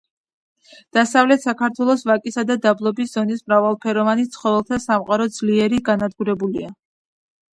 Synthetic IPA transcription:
d̪̥asavlɛt̪ʰsakʰaɾt̪ʰwɛlˠɔsvakʼisad̪ad̪ablˠɔbisz̥ɔnismɾavalˠpʰɛɾɔvanit̪sʰχɔvɛlˠt̪ʰasamqʼaɾɔd̪zliɛɾiɡanad̪ɡuɾɛbulia

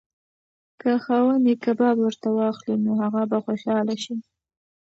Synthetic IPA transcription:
kəxɑwənekabɑbwəɾt̪awɑxlinoɦaɣabaxoʃɑlaʃi

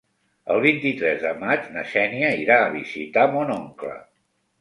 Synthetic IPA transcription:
ə̰lˠβ̞int̪it̪ɾɛzðəmad͡ʒnəʃɛniəiɾaːβ̞izit̪amonɔŋklə̰

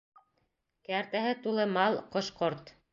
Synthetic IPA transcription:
kæɾt̪æɦɘt̪ulˠɤmɑlˠqŏʃqoɾt̪

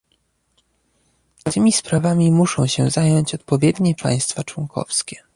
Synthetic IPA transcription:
t̪ɘmʲispɾavamʲimuʂɔ̃w̃ɕɛzajɔɲt͡ɕɔt̪̚pɔvʲjɛd̪ɲɛpa̰j̃st̪fat͡ʂwɔŋkʰɔ̰fskʲɛ̥

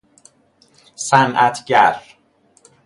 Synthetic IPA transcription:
sænʔæt̪ʰɟæɾ

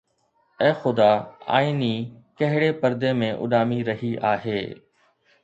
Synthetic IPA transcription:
ɛ̃ːxʊd̪aːa̰ːinikɐɦɪɽepɐɾd̪emẽʔʊ̰ɗaːmiɾɐɦiʔaːɦeː

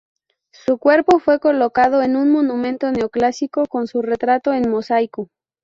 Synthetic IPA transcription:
sukwe̞ɾpo̞fwe̞ko̞lo̞kaðo̞enunmonũmẽ̞nt̪o̞ne̞oklasiko̞ko̞nsure̞t̪ɾat̪o̞e̞nmo̞sajko

